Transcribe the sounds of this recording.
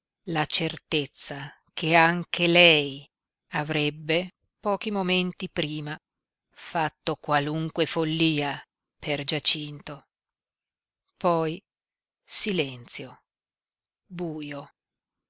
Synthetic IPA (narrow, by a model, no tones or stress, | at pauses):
lat͡ʃert̪et̪sːa | kʰeaŋkʰelɛj | avɾɛbːe | pɔːkimoment̪ipɾiːma | fat̪ːokwaluŋkwefolːiːa | pʰerd͡ʒat͡ʃint̪o | pɔj | silɛnt̪sjo | buːjo